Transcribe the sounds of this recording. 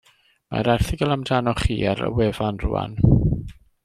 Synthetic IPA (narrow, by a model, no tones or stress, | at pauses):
ma̰ɾɛrθɪɡəlˠamdʰanɔχiːaɾə̰wɛvanrṵːa̰n